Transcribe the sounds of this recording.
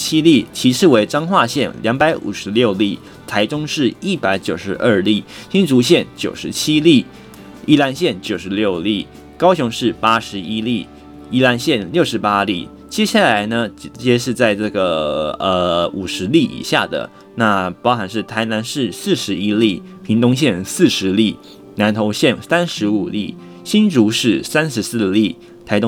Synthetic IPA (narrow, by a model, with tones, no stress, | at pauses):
t͡ɕʰi˥li˥˩t͡ɕʰi˧˥ʂʰɻ̩˥˩we˧˥ɪʈ͡ʂɑ˥ŋxwa˥˧ɕjɛ˥˩nljɑ˧˥ŋpa˧˥ɪʔṵ˨˩ʂɻ̩˧˥ljo˥˧ʊli˥˩ | t̪ʰa˧˥ɪʈ͡ʂʊ˥ŋʂɻ̩˥˩i˥˩pa˧˥ɪt͡ɕjo˨˩ʊʂɻ̩˧˥ʔə˥˧li˥˩ɕi˥nʈ͡ʂu˧˥ɕ̬jɛ˥˩nt͡ɕjo˨˩ʊʂɻ̩˧˥t͡ɕʰi˥li˥˩ | i˥˩la˧˥nɕjɛ˥˩nt͡ɕjo˨˩ʊʂɻ̩˧˥ljo˥˧ʊli˥˩ | kɑ˥ʊɕjʊ˧˥ŋʂɻ̩˥˩pa˥ʂɻ̩˧˥i˥li˥˩ | i˥la˧˥nɕjɛ˥˩nljo˥˩ʊʂɻ̩˧˥pa˥li˥˩ | t͡ɕjɛ˥ɕja˥˩la˧˥ɪnə˧t͡ɕjɛ˥ʂ̬ɻ̩˥˧t͡sa˥˧ɪʈ͡ʂɤ˥˩ɡə˩ə˧u˨˩ʂɻ̩˧˥li˥˩ḭ˨˩ɕja˥˩d̪ə̰˩ | na˥˩pɑ˥ʊxa˨˩nʂ̬ɻ̩˥˩t̪ʰa˧˥ɪna˧˥nʂɻ̩˥˧sɹ̩˥˩ʂɻ̩˧˥i˥li˥˩ | pʰi˧˥ŋt̪ʊ˥ŋɕ̬jɛ˥˧nsɹ̩˥˩ʂɻ̩˧˥li˥˩ | na˧˥nt̪ʰo˧˥ʊɕjɛ˥˩nsa˥nʂɻ̩˧˥u˨˩lḭ˥˩ | ɕi˥nʈ͡ʂu˧˥ʂɻ̩˥˩sa˥nʂɻ̩˧˥sɹ̩˥˧li˥˩ | t̪ʰa˧˥ɪt̪ʊ˥